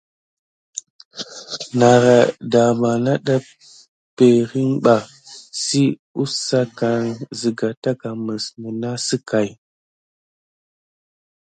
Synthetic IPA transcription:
na˨ɾa˨da˨ma˨na˦ɗa˦ | pe˨ɾi˦ŋɓa˨ | si˦u˦sa˦ka˨ŋzi˨ɡa˨ta˦ka˨mə˨smu˨na˦si˦ka˨j

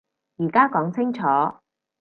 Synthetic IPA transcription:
jiː˨˩kaː˥kɔː˨˥ŋt͡sʰɪ˥ŋt͡sʰɔː˨˥

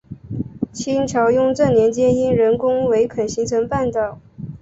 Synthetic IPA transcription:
t͡ɕʰi˥nt͡ɕʰjɑ˧˥ʊjʊ˥˧ŋʈ͡ʂɤ˥˩ŋnjɛ˧˥nt͡ɕjɛ˥ni˥nɻə˧˥nkʊ˥ŋwe˧˥ɪkʰə˨˩nɕi˧˥ŋt͡sʰɤ˧˥ŋpa˥˧nt̪ɑ˨˩ʊ

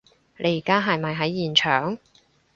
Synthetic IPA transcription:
lʔe˨˥jiː˨˩kaː˥ɦɐ˨jmɐ˨jɦɐ˨˥jːiː˨nt͡ʃʰœː˨˩ŋ

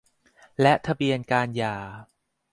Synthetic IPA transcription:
lɛ˦˥ʔt̪ʰa˧bi˧ənkaː˧njaː˨˩

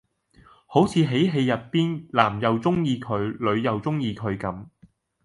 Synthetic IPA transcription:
ho˨˥wt͡sʰiː˨˧ɦe˨˥jɦe˧jɐ˨t̚piː˥nlaː˨˩mjɐ˨wt͡sʊ˥ŋjiː˧kʰɵ˨˧ɥlɵ˨˧ɥjɐ˨wt͡sʊ˥ŋjiː˧kʰɵ˨˧ɥkɐ˨˥m

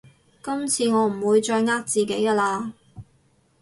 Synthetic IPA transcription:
kɐ˥mt͡sʰiː˧ŋɔː˨˧m̩˨˩wuː˨˧jt͡ʃɔː˧jŋaː˥k̚t͡siː˨˩ke˨˥jka˧laː˧

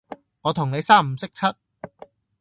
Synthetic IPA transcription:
ŋɔː˨˧t̪ʰʊ˨˩ŋne˨˧jsaː˥˩m̩˨˩sɪ˥k̚t͡sʰɐ˥t̚

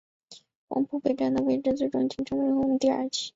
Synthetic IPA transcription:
wɑ̰˧˥ŋpʰu˥˩pe˨˩ɪʈ͡ʂa˥˩nd̪ə˨we˥ɪʈ͡ʂɻ̩˥˧t͡swe˥˩ɪʈ͡ʂʊ˥ŋt͡ɕi˥˩ʈ͡ʂʰɤ˧˥ŋwe˥xo˥˩˧mə˧˥t̪i˥˧ə̰˞˥˧t͡ɕʰi̥˧˥

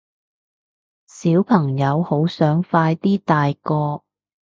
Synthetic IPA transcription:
siː˨˥wpʰɐ˨˩ŋjɐ˨˧who˨˥wsœː˨˥ŋfaː˧jt̪iː˥t̪aː˨jkɔː˧

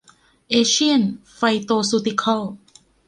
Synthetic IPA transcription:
ʔeː˧ɕi˥ənfa˧jt̪oː˧su˧t̪i˧kʰɔ˥˩

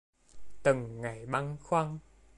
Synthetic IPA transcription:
t̪ɨ˨˩ŋːa˨˩jɓa˧ŋxwa˧ŋ

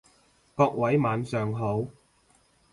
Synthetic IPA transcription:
kɔː˧k̚wɐ˨˥jmaː˨˥nsœː˨ŋɦo˨˥w

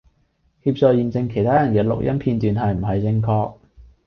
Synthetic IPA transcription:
hiː˧p̚t͡sɔː˨˧jiː˨˩nt͡sɪ˧ŋkʰe˨˩jt̪ʰaː˥jɐ˨˩nkɛː˧lʊ̰˨k̚jɐ̰˥mpʰiː˧nt̪yː˨nɦɐ˨jm̩˨˩ɦɐ˨jt͡sɪ˧ŋkʰɔː˧k̚

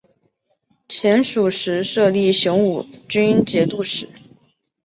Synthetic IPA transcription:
t͡ɕʰjɛ˧˥nʂu˨˩ʂɻ̩˧˥ʂɤ˥˧li˥˩ɕjʊ˧˥ŋu˨˩t͡ɕy˥ni˥nt͡ɕjɛ˧˥t̪u˥˩ʂɻ̩˧˩˦

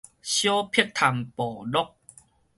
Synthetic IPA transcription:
ɕjo˦pʰi˥˧k̚t̪ʰa˨mpɔ˨˩lɔ˦˨k̚

